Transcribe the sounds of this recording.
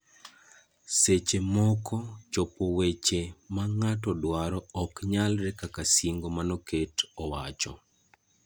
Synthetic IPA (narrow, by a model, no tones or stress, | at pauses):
set͡ʃemɔkɔt͡ʃopowet͡ʃemaŋatɔdwaɾɔɔkɲalɾɛkakasiŋɡomanɔketɔwat͡ʃɔ̰